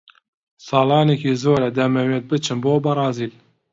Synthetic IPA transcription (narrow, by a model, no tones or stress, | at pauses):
sɑːlɑːnekiːzoːɾɛd̪ɛmɛwet̪̚bɨt͡ʃʰɨnboːbɐɾɑːziːl